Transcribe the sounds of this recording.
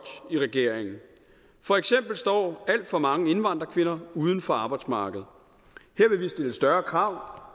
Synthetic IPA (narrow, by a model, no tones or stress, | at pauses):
iʁɛɡ̥e̝ɐ̰eŋn̩ | fɒ̽eɡ̥sem̰b̥l̩sd̥ɒ̰ːæl̰d̥fɒ̽mɑ̈ŋəe̝nʋɑ̈n̰d̥ʁɐkʰʋe̝nɐuːð̞ˠn̩fɒ̽ɑ̈ːb̥ɑ̈ɪd̥smɑ̈ːɡ̥əð̩ˠ | heɐ̰ʋe̝ʋisd̥e̝ləsd̥ɶɐkʰʁɑ̈ʊ̰